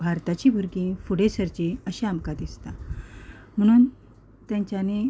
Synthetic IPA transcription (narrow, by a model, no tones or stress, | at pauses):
bʱaɾt̪at͡ɕiːbʱuɾɡĩfuɽesəɾt͡ɕeəɕeamkad̪ist̪a | m̤əɽ̃uːn | t̪jaɲt͡ɕane